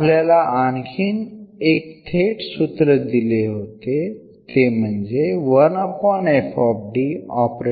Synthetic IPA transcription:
ljalaʔankʰiːnek̚t̪ʰeʈsut̪ɾəd̪ileɦot̪e | t̪em̤əɳd͡zeʋənəpɔnɛfʰɔpɖiɔpɾe

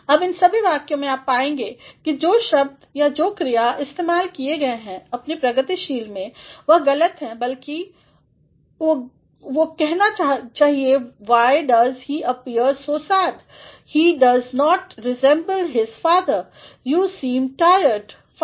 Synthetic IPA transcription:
ɐbɪ̃nsɐbʱiʋaːkjõmẽaːpːaːẽːŋɡeːkid͡ʒoːʃɐb̚d̪jad͡ʒoːkɾijaʔɪst̪eːmaːlkieɡɐeɦɛ̃ɐpnipɾɐɡət̪iʃiːlmẽʋɐɦɡɐlət̪ɦɛ̃bɐlki | o | ʋokɛɦnat͡ʃaːɦieʋaːɪɖɐzhiːʔɐpiəɾsoːsaːt̪ | hiːɖɐznɔːʈɾɪzɛ̃mbəlɦɪz̥faːd̪əɾ | juːsĩːmʈaːɪjəɾɖ | f

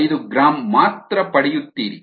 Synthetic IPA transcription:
jd̪uɡɾaːmːaːt̪ɾɐpɐɽɛjut̪ːiːɾḭ

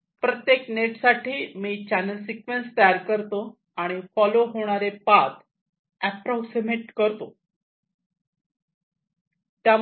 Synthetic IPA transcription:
pɾət̪jekneʈsaʈʰiːmiːt͡ɕænəlsikʋenst̪əjaɾkəɾt̪o | aɽ̃ifɔloɦoɽ̃aɾepat̪ | æpɾɔksimeʈkəɾt̪o | t̪ja

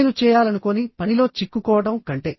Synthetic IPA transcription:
lut͡ʃɛːjaːlɐnukonipɐnilo̞ːt͡ʃikːukɔːʋɐɽɐmkɐɳʈeː

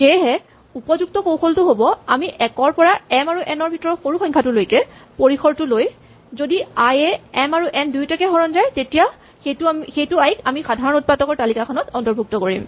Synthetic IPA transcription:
ɡɛjɦɛ | upɔzuk̚tɔkowxʰoltʊɦobɔamiʔɛkɔɹpɔɹaɛmaɹuʔɛnɔɹbʱitɔɹɔxoɹuxɔ̃ŋkʰatʊlojkɛpoɹixʰɔɹtʊloj | zodiajɛɛmaɹuʔɛndujtakɛɦɔɹɔnzajtetija | xetuxejtʊajkamixadʱaɹɔnut̚patɔkɔɹtalikakʰɔnɔtɔntɔɹbʱuk̚tɔkoɹḭm

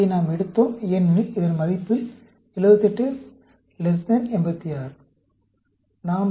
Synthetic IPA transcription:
inaːmɛɽɯt̪ːoːmɛnːɯɪðɐnmɐðɪpːɪl | ɪlɐʋɯt̪ːɛʈːɯ | lɛs̬nɐnɛnbɐt̪ːɪjaːɾ | naːm

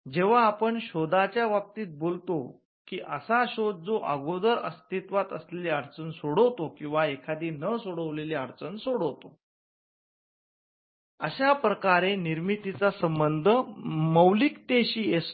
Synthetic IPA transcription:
d͡ʑeʋ̤aːpəɳɕod̪at͡ɕjaʋap̚t̪iːt̪̚bolt̪o | kiːʔəsaɕod̪̚d͡zoʔə̰ɡod̪əɾə̰st̪it̪ʋat̪əsleleəɾt͡sənsoɽəwt̪okĩw̃ʋaekʰad̪iːnəsoɽəʋleleəɾt͡sənsoɽəwt̪o | əɕapɾəkaɾeniɾmit̪it͡sasəmbənd̪ʱəməwlikt̪eɕiːes

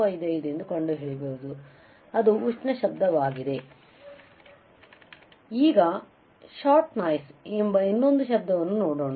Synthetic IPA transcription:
ɐjd̪ɐjid̪end̪ukɐɳɖuɦeːɭibeud̪u | ɐd̪uːt͡ʃnɐʃɐb̚d̪ɐʋaːɡid̪e̞ | iːɡɐ | ʃaːɾʈnaːjsembɐinːo̞nd̪uʃɐb̚d̪ɐʋɐnːunoːɽoːɳa

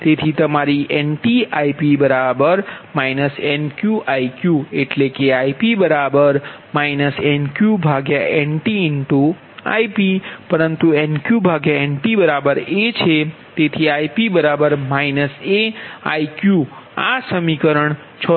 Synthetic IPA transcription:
t̪et̪ʰit̪əmaɾiʔenʈiaipibəɾabəɾmainəsenkjuʔaikjueʈlekeaipibəɾabəɾ | mainəsenkjubʱaɡjaʔeɳʈiɪɳʈu | a̰ipipəɾənt̪uenkjubʱaɡjaeɳʈibəɾabəɾet͡ʃʰe | t̪et̪ʰiaipibəɾabəɾmainəsea̰jkju | a̰səmikəɾəɳ | t͡ʃʰɔ

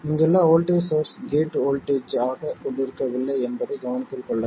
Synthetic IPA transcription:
ɪŋɡɛlːãːoːlʈeːsoːɾsɡeːʈoːlʈeːd͡ʒaːɣɐkɔɳɖɪɾɯkːɐʋɪlːɐɪɛnbɐðɐɪɡɐʋɐnɪt̪ːɪlkɔɭːɐ

